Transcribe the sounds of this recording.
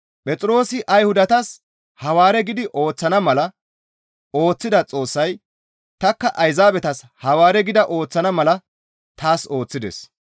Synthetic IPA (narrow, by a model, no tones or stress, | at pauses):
pʼɛt͡sʼɾo̞ːsɪʔɐjhʊd̪ɐt̪ɐs | hɐwaːɾɛɡɪd̪ɪʔo̞ːt͡sːɐnɐmɐlɐ | o̞ːt͡sːɪd̪ɐt͡sʼo̞ːsːɐj | t̪ɐkːɐʔɐjzaːbɛt̪ɐs | hɐwaːɾɛɡɪd̪ɐʔo̞ːt͡sːɐnɐmɐlɐ | t̪aːso̞ːt͡sːɪd̪ɛ̰s